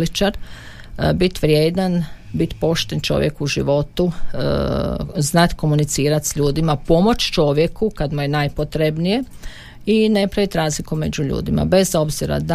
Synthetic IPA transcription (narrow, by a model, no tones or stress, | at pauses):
lit͡ʃaɾ | bit̪ʋɾʲjeːd̪an | bit̪po̞ʃt̪ent͡ʃo̞̰ʋjekuʒḭʋo̞t̪u | znat̪ko̞munit̪siːɾat̪sʎuːd̪imapo̞mo̞t͡ʃt͡ʃo̞ʋje̞kukad̪muje̞najpot̪ɾebnije̞ | ine̞pɾaʋit̪ɾaːzlikume̞d͡ʑuʎṵːd̪ima̰be̞zo̞bziɾa̰d̪